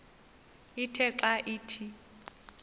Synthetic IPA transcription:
itʰɛǁaʔiːtʰi

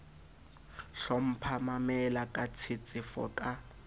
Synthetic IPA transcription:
ɬɔm̩pʰamamɛlakʼat͡sʰɪt͡sʼɪfɔ̰kʼa

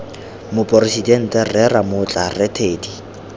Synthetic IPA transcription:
mʊpʼɔrisidɛn̩tʼɛrɛramʊt͡ɬʼarɛtʰeːdi

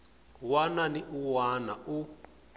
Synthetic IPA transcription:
wananiʔuwana̰ʔu

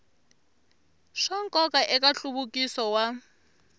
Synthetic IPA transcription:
ʂaŋkʼɔkʼaʔɛkʼaɬuɓukʼisɔwa

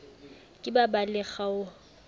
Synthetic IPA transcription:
kʼɪbabalɛχaʊ

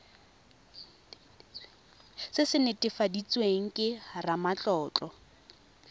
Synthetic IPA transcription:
sɪsɪnɪtʼɪfadit͡sʼweŋ̩kʼɪramat͡ɬʼɔːt͡ɬʼɔ

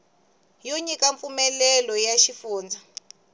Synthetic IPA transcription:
joɲikaɱfumɛlɛlɔjaʃifuːnd͡za

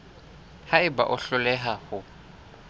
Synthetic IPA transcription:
haɪba̰ʔʊɬʊlɛɦahʊ

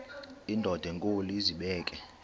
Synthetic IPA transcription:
indʱɔd̥ʱɛŋkʼoliziɓɛːkʼɛ

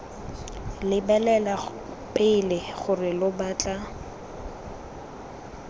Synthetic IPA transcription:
lɪbɛlɛla | pʼɪlɪχʊrɪlʊbat͡ɬʼa

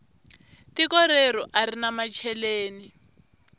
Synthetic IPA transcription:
tikɔɾɛɾɔʔarinamat͡ʃʰɛleːni

